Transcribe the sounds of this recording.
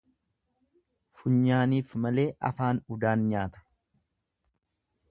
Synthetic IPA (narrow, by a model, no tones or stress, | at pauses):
fʊɲːaːniːfmɐle̞ːʔɐ̰faːnʊd̪aːnɲaːt̪ɐ̥